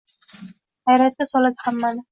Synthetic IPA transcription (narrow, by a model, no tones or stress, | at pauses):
hajɾat̪̚ɡʲasɒlad̪ɪhamːanɪ